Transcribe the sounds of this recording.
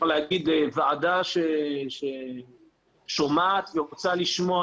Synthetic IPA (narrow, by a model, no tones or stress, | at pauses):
lehaɡid̪vaadaʃeʃe | ʃomaːt̪veʁot͡saliʃmoa